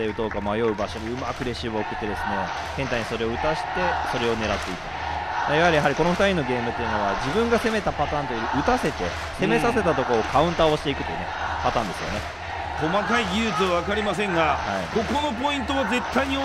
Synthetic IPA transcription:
eɯ̟t̪oːkamajo̞ɯ̟baɕo̞ɲʲiɯ̟ma̰kɯ̟ɾe̞ɕiβɯoːkɯ̟̥t̪ːe̞d̪e̞sɨne̞ | kẽ̞nt̪aiɲ̟iso̞ɾe̞oɯ̟t̪aɕi̥t̪e̞so̞ɾe̞o̞ne̞ɾat̪ːe̞it̪e | majahaɾʲijaɦaɾʲiko̞no̞ɸɯ̟̥t̪aɾʲino̞ɡe̞ːmɯ̟t̪ːe̞jɯ̟no̞βad͡ʑibɯ̟̃ŋɡase̞me̞t̪apat̪ãːnt̪ojiɾɯ̟ʔɯ̟t̪ase̞t̪e̞̰ | se̞me̞sase̞t̪at̪o̞koːkʰaɯ̟̃nt̪aːo̞ɕi̥t̪e̞ikɯ̥t̪o̞jiɯ̟nḛpat̪ãːnd̪e̞sɨjo̞̰ne | ko̞makaijʲɯːt͡sɨβaβakaɾʲimas̬ẽ̞ŋɡahaiɡoko̞no̞p̬o̞ĩnt̪o̞βaze̞t̪ːaiɲ̟i

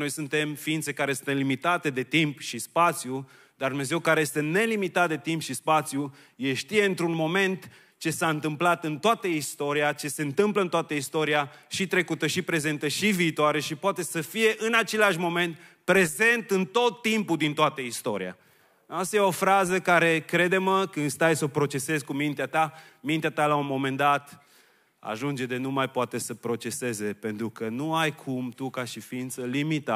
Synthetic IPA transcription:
no̞jsunt̪e̞mfiint̪se̞kaɾesɨnt̪limit̪at̪e̞d̪e̞t̪impʃispat̪siju | d̪ard̪ume̞ze̞wkaɾejest̪ene̞limit̪at̪̚d̪et̪impʃispat̪sju | jeʃt̪ije̞ɨnt̪ɾunmo̞me̞nt̪ | t͡ʃe̞saɨnt̪ɨmplat̪ɨnt̪oat̪əist̪o̞ɾiat͡ʃe̞se̞ɨnt̪ɨmpləɨnt̪oat̪əist̪o̞ɾia | ʃit̪ɾe̞kut̪əʃipɾe̞ze̞nt̪əʃiviːt̪oaɾe̞ʃipoat̪e̞səfije̞ʔɨnat͡ʃe̞laʃmo̞me̞nt̪ | pɾe̞ze̞nt̪ɨnt̪o̞t̪ːimpuld̪int̪oat̪əist̪o̞ɾḭa̰ | ast̪ajeo̞fɾazəkaɾe̞kɾe̞d̪e̞məkɨnd̪st̪ajsopɾo̞t͡ʃe̞se̞zkumint̪eat̪amint̪eat̪alaunmo̞mẽ̞nd̪at̪ | a̰ʒund͡ʒe̞d̪e̞numajpoat̪e̞səpɾo̞t͡ʃe̞se̞ze̞pe̞nt̪ɾukənuajkʰumt̪ukaʃifiint̪səlimit̪a

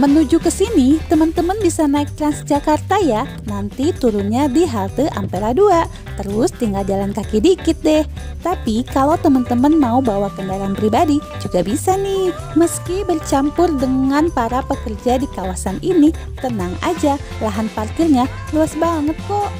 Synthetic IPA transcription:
mənud͡ʒukəsinit̪əmənt̪əmənbisanaɪk̚t̪ɾansd͡ʒakart̪aja | nant̪it̪uɾunɲadiɦalt̪əʔa̰mpelahduaʔ | t̪əɾʊst̪iŋɡald͡ʒalankakidikɪt̪̚dɛh | t̪apikalawt̪əmənt̪əmənmaubawakəndalaanpɾibadid͡ʒuɡabisanih | məskibərt͡ʃampʊrdəŋanpaɾapəkərd͡ʒadikawasanʔini | t̪ənaŋa̰d͡ʒa | laɦanpart̪ɪrɲa | luasbaŋət̪̚kɔʔ

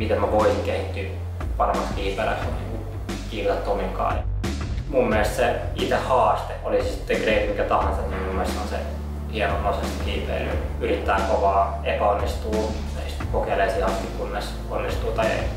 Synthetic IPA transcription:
mit̪emmæʋoisiŋkehit̪ːy | pɑremːɑstkiːpelæ̰sonnḭːŋku | kiːʋt̪ɑt̪ːomiŋkɑ̰ːɑ | mumːielest̪seit̪ehhɑːst̪eolissi̥t̪ːeŋɡreit̪ikæt̪ɑhɑnsɑt̪nimmumːeˑlest̪ːonsḛ | hienoprɑsest̪ikiːpḛilːy̰yrit̪ːæːŋkoʋɑː | epæonːist̪uː | ist̪kokeleisihɑst̪ikunːes | o̰nːist̪uːt̪ɑiḛi

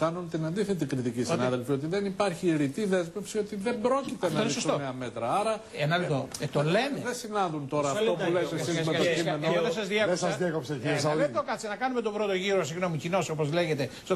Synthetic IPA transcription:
kɐnunt̪inɐnd̪iθe̞t̪ikɾit̪icistnɐðelfio̞t̪̬iðenipɐɾçiɾit̪iðe̞zme̞psiot̪iðe̞mbɾo̞cit̪enɐɐinesost̪oeɐmet̪ɾɐɐɾɐenɐlit̪ot̪ole̞neðesinɐnðunt̪o̞ɾɐɐfopuleesiɐmeɐienoðes̬ɐzðiekesɐzðekopseisɐet̪okɐt͡sinɐkɐnume̞t̪o̞bɾo̞t̪o̞ʝiɾosiɣno̞micino̞sopo̞zle̞ʝe̞t̪e̞s

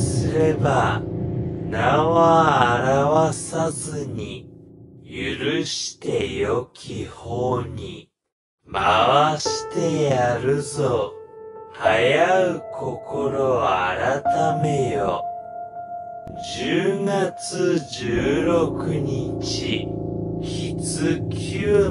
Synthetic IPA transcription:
sɨɾe̞ba | naβaːɾaβasazɨɲi | jɯɾɯɕi̥t̪e̞jo̞kʲʰihoːɲi | maβaɕi̥t̪e̞jaɾɯ̟zo | hajaɯ̟kʰo̞kʰo̞ɾo̞aɾat̪ame̞jo | d͡ʑɨːɡat͡sɨd͡ʑɨːɾokɯ̟ɲ̟it͡ɕiçit͡sɨkʲʰɨː

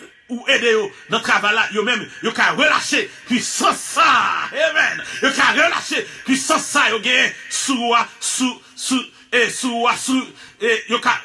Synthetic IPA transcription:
uedejonɐ̃t̪ʁavajlajomɛ̃mjokaʁəla̰ʃepɥisɐ̃sːaemɛ̰̃njokaʁəla̰ʃepɥisɐ̃sːajoɡɛ̃jɛ̃suuasu | su | esuuasuejoka

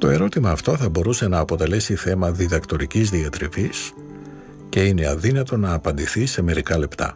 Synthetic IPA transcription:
t̪o̞e̞ɾo̞t̪imɐːft̪o̞θɐbo̞ɾuse̞nɐːpo̞t̪e̞le̞siθe̞mɐðiðɐkt̪o̞ɾicizðiɐt̪ɾivis | ce̞ine̞ɐ̰ðinɐt̪o̞nɐːpɐnd̪iθise̞me̞ɾikɐle̞pt̪ɐ̰

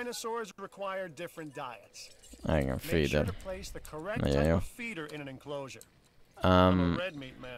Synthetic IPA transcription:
ɪ̃nəsɔɹzɹɨkʰw̥aɪə˞dɪfɹɨ̃nd̥aɪətsɛ̰ɡə̰̃nfiːd̪ə̰ɾpʰl̥eɪsðɨkʰə˞ɛnɛ̰ɔfiɾə˞ɪ̃ñɨ̃nɨ̃nkʰl̥oʊʒə˞ | əmɛd̚mit̚mæ̃

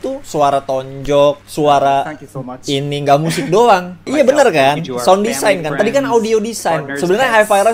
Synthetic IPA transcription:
t̪usuaɾat̪ɔɲd͡ʒɔk̚suaɾa | iniŋɡaʔmus̬ɪk̚doaŋijabənərkansɔndisajnkant̪adikanaudiodisajnsəbənarɲaɦajfajɾa

